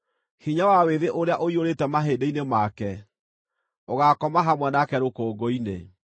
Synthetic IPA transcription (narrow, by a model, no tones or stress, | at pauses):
hiɲawaweðeʔoɾeaʔoioɾetɛmaɦeːdeinemakɛ | oɣakɔmaɦamwɛnakɛɾokoːɡɔine